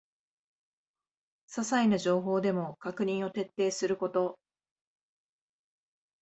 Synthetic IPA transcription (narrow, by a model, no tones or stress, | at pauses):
sasainaʑo̞ːɦo̞ːd̪e̞mo̞kakɯ̟ɲ̟ĩɰ̃o̞t̪e̞t̪ːe̞ːsɨɾɯ̟ko̞t̪o̞